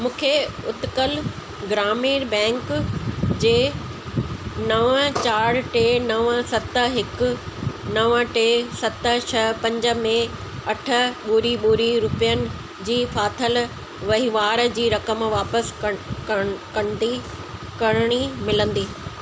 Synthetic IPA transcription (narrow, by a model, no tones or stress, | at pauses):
mũːkʰeʊt̪kəl | ɡɾaːmiːɾbɛ̃ːŋk | d͡ʑeː | nɐʋət͡ɕaːɽ̤ʈeːnɐʋəsɐt̪əɦɪkʊ̆nɐʋəʈeːsɐt̪ə̆t͡ɕʰɐpɐ̃ɲd͡ʑə̆mẽ | ɐʈʰə̆ɓuːɾiɓuːɾiɾʊpijənɪ̆ | d͡ʑiːfaːt̪ʰəl | ʋɐɦiʋaːɾd͡ʑiːɾɐkəmʋaːpəs | kɐñd̪i | kɐɽ̃ɽ̃imɪlə̃nd̪iː